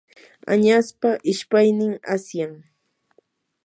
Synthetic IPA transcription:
a̰ɲaspaʔɪʃpajnɪŋasjaŋ

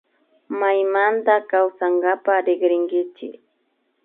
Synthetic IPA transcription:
majmant̪akawsaŋɡapaɾɪɡɾɪŋɡɪt͡ʃɪ̰k

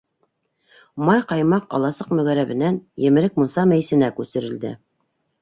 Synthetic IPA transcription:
mɑjqɑjmɑqɑ̰lˠɑsɤqmɵ̆ɣæɾæβɘ̆nænjɘ̆mɘ̆ɾɘk̚musɑmæjsɘ̆nækʉsɘ̆ɾɘ̆ld̪ɘ

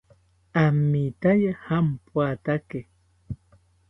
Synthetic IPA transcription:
amːit̪ajahampwat̪ake

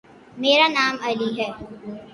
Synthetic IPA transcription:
meːɾanaːmɐliɦɛː

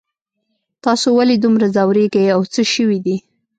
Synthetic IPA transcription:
t̪ɑsowaled̪umɾazawɾeɡajawt͡səʃəwid̪i

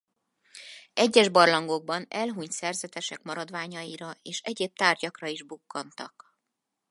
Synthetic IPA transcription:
ɛɟːɛʒbɒrlɒŋɡo̞ɡ̚bɒnɛlɦuɲt̪sɛrzɛt̪ɛʃɛkmɒɾɒd̪vaːɲɒiɾɒeːʃɛɟeːp̚t̪aːrɟɒkrɒiʒbukːɒnt̪ɒk

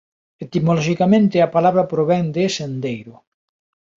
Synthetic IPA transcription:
et̪imolɔʃikamẽnt̪ɪapalaβ̞ɾapɾoβɛŋd̪esend̪ejɾʊ

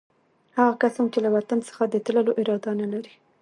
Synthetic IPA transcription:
haɣakasɑnt͡ʃelawat̪ansə̥xad̪ət̪ləloʔɪɾɑd̪analaɾi

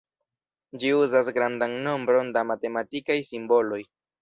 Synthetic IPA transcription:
d͡ʒiuzasɡɾandaŋno̞mbɾo̞ndamate̞matikajsimbo̞lo̞j

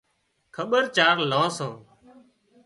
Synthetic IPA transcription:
kʰəɓəɾt͡ʃaːɾlãːsãː

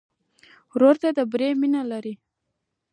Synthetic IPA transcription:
ɾoɾt̪ad̪əbɾeminalaɾi

